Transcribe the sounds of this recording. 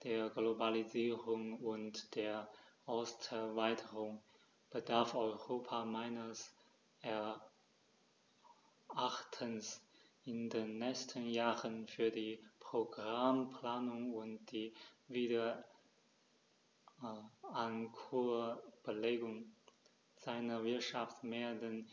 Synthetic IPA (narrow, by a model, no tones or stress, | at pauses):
d̥eːɐɡlobaliziːʁʊŋʊntd̥eːɐʔɔʊstɛɐvaɪtʰəʁʊŋ | b̥ədaɐfɔʏʁoːpʰamaɪnəs | ʔɛɐ | ʔaχtʰəns | ʔɪndeːnːɛstʰənjaːʁənfyːɐdiːpʁ̥oɡʁampl̥aːnʊŋʊntd̥iːviːdɐ | ankʰub̥əleːɡʊŋ | z̥aɪnɐvɪɐtʃaftmeːɐdən